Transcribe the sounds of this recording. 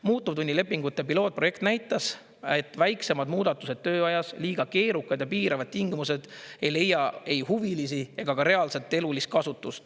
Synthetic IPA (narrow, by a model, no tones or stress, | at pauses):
muːt̪ːˑub̥t̪unʲːile̞pːiŋɡut̪ːˑe̞pilo̞ːt̪̚proje̞kt̪næjt̪ːˑɑs | e̞t̪ːˑvæjkse̞mɑd̪muːd̪ɑt̪ːˑuse̞d̪̥t̪ːø̞ːɑjɑsliːɡ̥ɑke̞ːɾukːˑɑd̪jɑpiːɾʔɑvɑd̪̚t̪iŋɡ̥imuse̞d̪̥e̞jle̞jːɑe̞jhuvilisie̞ɡ̥ɑkɑɾe̞ɑlse̞t̪ːˑe̞lulist̪̚kɑsut̪ːˑust̪